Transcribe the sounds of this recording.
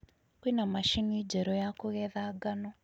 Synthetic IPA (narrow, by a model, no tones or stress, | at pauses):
winamaʃinid͡ʒɛɾɔjakuɣɛðaɡanɔ